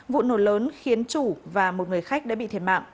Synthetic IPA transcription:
vṵ˧˨no˧˩ləː˨˦nxi˨˦ənt͡ɕu˧˩vaː˨˩mo˨˩t̚ŋɨ˨˩əjxa˦˥jk̚ɗa̰ː˧˥ɓḭ˧˨t̪ʰe˧˩ma̰ː˧˨ʔ

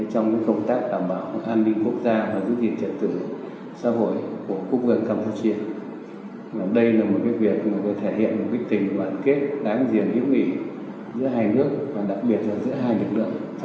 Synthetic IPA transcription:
t͡ɕɔ˧wŋ͡mka̰ː˨˦jkə˧wŋ͡mt̪aː˦˥k̚ɗaː˧˩mɓaː˧˩wʔaː˧nːi˧ŋ̟ku˦˥ək̚zaː˧vaː˨˩zɨ̰˧˥zi˨˩ə˩t͡ɕə˨˩t̚t̪ɨ˧˩ | sa̰ː˧˥ɦo̰˧˩˨jku˧˩əku˦˥k̚və˨˧˩nkaː˧mpu˧t͡ɕi˧ə | vaː˨˩ɗə˧jlaː˨˩mo˨˩t̚kaː˨˦jvi˨˩ək̚ma˨˩t̪o˧˩t̪ʰe˧˩hḭ˧˨ənmo˨˩t̚kaː˦jk̚t̪ï˨˩ŋ̟ɓaː˧˩nke˦˥t̚ɗaː˨˦ŋzi˨˩ənzḭ˧˥əmḭ˧˩˨ | zɨ̰˧˥əɦaː˧jnɨ˦˥ək̚vaː˨˩ɗa˨˩k̚ɓi˨˩ət̚zaː˨˩zɨ̰˧˥əɦaː˧jlɨ˨˩ək̚lɨ̰˧˨əŋ

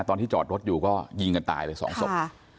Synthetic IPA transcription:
t̪ɔː˧nt̪ʰiː˥˩t͡ɕɔː˨˩t̪̚ɾo˦˥t̪̚juː˨˩kɔː˥˩ji˧ŋka˧nt̪a̰ː˧jlɤː˧jsɔ̰ː˩˦ŋso˨˩

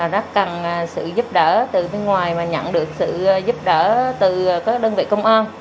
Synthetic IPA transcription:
a˨˩zaː˦˥k̚ka˨˩n˨˩sɨ̰˧˨zu˦˥p̚ɗəː˧˩t̪ɨ˨˩ɓe˧nŋwaː˨˩jmaː˨˩ɲə̰˧˨nɗɨ˨˩ək̚sɨ̰˧˨zu˦˥p̚ɗəː˧˥t̪ɨ˨˩˨kaː˦˥k̚ɗəː˧nvḭ˧˨kə˧wŋ͡mʔaː˧n

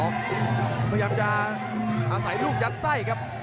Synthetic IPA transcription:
ɔː˨˩k̚ʰa˧jaː˧mt͡ɕa˧ | ʔaː˧sa˨˩˦jluː˥˩k̚t͡ɕa˦˥t̪̚sa˥˩jkʰa˦˥p̚

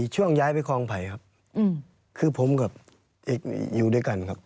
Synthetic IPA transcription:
t͡ɕʰu˥˩əŋjaː˧˩jpa˧jkʰɔː˧˩ŋpʰa˨˩˦jkʰa˦˥p̚ː | kʰɯː˧pʰo˨˦mkʰa˧˩p̚ | ʔe˦˧k̚juː˨˩du˥˩˨jka˨˩nkʰa˦˥p̚

